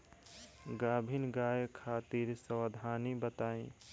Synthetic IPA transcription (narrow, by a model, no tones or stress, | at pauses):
ɡaːbʱinɡaːjekʰaːt̪iɾsəwəd̪ʱaːnibət̪aːẽ